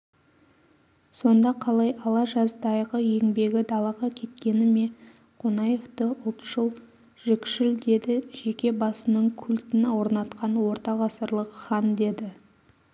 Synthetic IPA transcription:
so̞nd̪ɑqʰɑlˠɑjʔɑlˠɑʒɑzd̪ɑjʁəje̞ŋbe̞ɡʲɪd̪ɑlˠɑʁɑkʲʰe̞t̪kʲe̞nɪme̞ | qʰonɑje̞ft̪əʊlˠt̪ʒ̥əlˠ | ʒ̥ɪkʲʃɪld̪e̞d̪ɪʒ̥e̞kʲe̞bɑsənəɴkʲʰʉlt̪ɪnwo̞ɾnɑt̪qʰɑnwo̞ɾt̪ɑʁɑsəɾlˠəqχɑnd̪e̞d̪ɪ

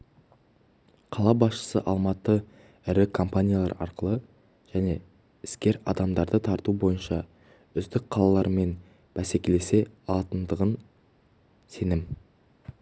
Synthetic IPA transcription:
qʰɑlˠɑbɑsʃə̥sə̰ʔɑlˠmɑt̪ə | ɪɾɪkʰo̞mpanʲijalˠɑɾɑ̰ɾqəlˠə | ʒ̥æne̞ | ɪskʲe̞ɾɑ̰d̪ɑmd̪ɑɾd̪ət̪ʰɑɾt̪ubo̞jənʃɑ | ʏzd̪ɪk̚qʰɑlˠɑlˠɑɾəme̞n | b̥æse̞kʲe̞le̞se̞ɑlˠɑt̪ənd̪əʁən | se̞nɪm

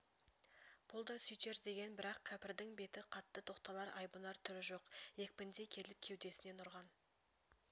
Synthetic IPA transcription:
b̥ʊlˠd̪ɑsʏjt̪e̞ɾd̪e̞ɡʲe̞nbɪɾɑqkʲʰæpɪɾd̪ɪŋbe̞t̪ɪqʰɑt̪ːət̪ʰo̞qt̪ɑlˠɑɾɑjbunɑɾt̪ʰʏɾɪʒo̞qje̞k̚ʲpɪnd̪e̞kʲʰe̞lɪp̚kʲʰe̞wd̪e̞sɪne̞nʊɾʁɑn

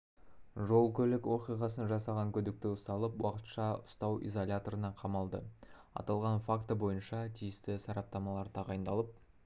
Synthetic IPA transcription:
ʒo̞lˠkʲʰɵlɪkwo̞qijʁɑsənʒɑsɑʁɑŋkʲʰɵd̪ɪk̚t̪ɪʊst̪ɑlˠəpwɑqə̥t̪ʃɑʊst̪ɑwḭzo̞lʲat̪o̞ɾənɑqʰɑmɑlˠd̪ə | ɑ̰t̪ɑlˠʁɑnfakt̪əbo̞jənʃɑt̪ʰijɪst̪ɪsɑɾɑp̚t̪ɑmɑlˠɑɾt̪ʰɑʁɑjənd̪ɑlˠəp̚

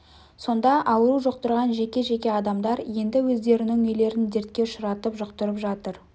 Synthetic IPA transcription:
so̞nd̪ɑʔɑwəɾuʒoqt̪əɾʁɑnʒe̞kʲe̞ʒe̞kʲe̞ɑd̪ɑmd̪ɑɾje̞nd̪ɪwɵzd̪e̞ɾɪnɪŋɵjle̞ɾɪnd̪e̞ɾt̪̚kʲe̞ʊʃʊɾɑt̪əpʒʊqt̪əɾəpʒɑt̪əɾ

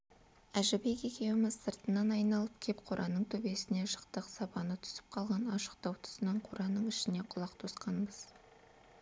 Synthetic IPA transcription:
æʒɪbe̞ke̞kʲe̞wɪmɪzsəɾt̪ənːɑnɑjnɑlˠəp̚kʲʰe̞pqʰoɾʔɑnəɴt̪ʰɵbe̞sɪne̞ʒəqt̪əqsɑpɑnət̪ʰʏ̥sɪ̥p̚qʰɑlˠʁɑnɑʃə̥qt̪ɑwt̪ʰʊ̥sənɑɴqʰoɾʔɑnəɴɪʃɪne̞qʰʊlˠɑqt̪ʰosqɑnbəz̥

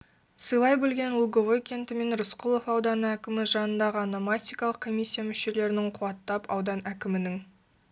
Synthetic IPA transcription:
səjlˠɑjbɵlɡʲe̞nlˠuɡoʁojkʲe̞nt̪ɪme̞nɾʊsqʊlˠo̞fɑwd̪ɑnəækʲɪmɪʒɑnənd̪ɑʁəanamat̪ʲijkɑlˠəq̚kʰo̞mʲijsʲːijamʏʃe̞le̞ɾɪnɪŋqʰʊwɑt̪ːɑpɑwd̪ɑnækʲɪmɪnɪŋ

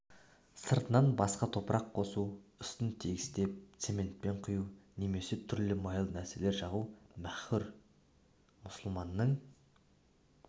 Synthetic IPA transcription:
səɾt̪ənɑnbɑsqɑt̪ʰo̞pəɾʔɑqʰːo̞suʏst̪ɪnt̪ʰeɡʲɪst̪e̞p̚t̪se̞mʲe̞nt̪̚pe̞ɴqʰʊjune̞me̞se̞t̪ʰʏɾlɪmɑjəlˠnæɾse̞le̞ɾʒɑʁumæχʊɾ | mʊsəlˠmɑnːəɴ

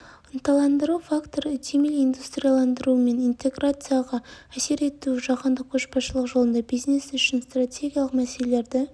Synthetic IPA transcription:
ənt̪ɑlˠɑnd̪əɾuwfakt̪o̞ɾʏt̪ʰemelijnd̪ust̪rʲijalˠɑnd̪əɾuəme̞nint̪e̞ɡrat̪sɨjaʁɑæse̞ɾe̞t̪uʒɑqənd̪əqkʰoʃpɑsʃəlˠəqʒo̞lˠənd̪ɑbijznesʏʃɪnst̪ratʲʰe̞ɡʲijalˠəqmæse̞lele̞ɾd̪ɪ

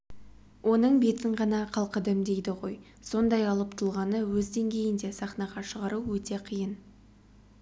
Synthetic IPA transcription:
wʔo̞nəɴbe̞t̪ɪɴʁɑnɑqʰɑlˠqəd̪ɪmd̪e̞jd̪ɪʁo̞j | so̞nd̪ɑjɑlˠəp̚t̪ʰʊlˠʁɑnəwɵzd̪e̞ŋɡʲe̞jɪnd̪e̞sɑχnɑʁɑʃəʁɑɾuwɵt̪e̞qʰijən

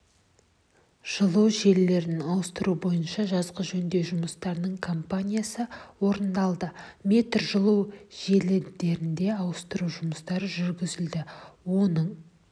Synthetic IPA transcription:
ʒ̥əlˠəwʒe̞lːe̞ɾnɪnɑwəst̪əɾubo̞jənʃɑʒɑzʁəʒɵnd̪e̞ʒʊməst̪ɑɾnəɴkʰo̞mpanʲijasəwo̞ɾənd̪ɑlˠd̪əmʲe̞t̪rʒəlˠəwʒe̞lɪd̪e̞ɾɪnd̪e̞ɑwəst̪əɾuwʒʊməst̪ɑɾəʒʏɾɡʲɪzɪld̪ɪwo̞nəɴ

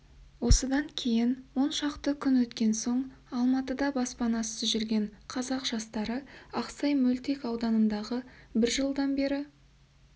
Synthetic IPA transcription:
wo̞səd̪ɑŋkʲʰe̞jɪnwo̞nʃɑqt̪əkʲʰʏnwɵt̪kʲe̞nso̞ɴ | ɑlˠmɑt̪əd̪ɑbɑspɑnɑsəzʒʏɾɡʲe̞ɴqʰɑzɑqʒ̥ɑst̪ɑɾəɑqsɑjmɵlt̪ekɑwd̪ɑnənd̪ɑʁəbɪɾʒəlˠd̪ɑnbe̞ɾɪ

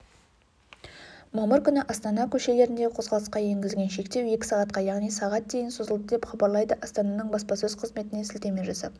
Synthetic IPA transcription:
mɑməɾkʲʰʏnɪʔɑst̪ɑnɑkʲʰɵʃe̞le̞ɾɪnd̪eqʰo̞zʁɑlˠəsqɑje̞ŋɡʲɪzɡʲe̞nʃe̞kt̪e̞we̞kʲɪ̥sɑʁɑt̪̚qɑjɑʁnijsɑʁɑt̪̚d̪e̞jɪnsozəlˠd̪əd̪e̞pχɑbɑɾlˠɑjd̪əʔɑst̪ɑnɑnəɴbɑspɑsɵz̥qʰəzme̞t̪ɪne̞sɪlt̪e̞me̞ʒɑsɑ̰p

